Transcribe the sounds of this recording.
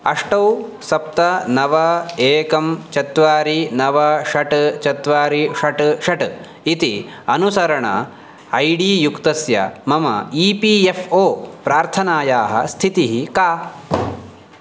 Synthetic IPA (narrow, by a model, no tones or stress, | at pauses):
ɐʂʈɐwsɐp̚t̪ɐnɐʋɐeːkɐmt͡ʃɐt̪ʋaːɾinɐʋɐʃɐʈt͡ʃɐt̪ʋaːɾiʃɐʈʃɐʈ | it̪i | ɐnusɐɾɐɳɐ̰ | ɐjɖiːjukt̪ɐsjɐ̰mɐmɐ̰iːpiefoːpɾaːɾt̪ʰɐnaːjaːɦɐ̰st̪ʰit̪iɦikaː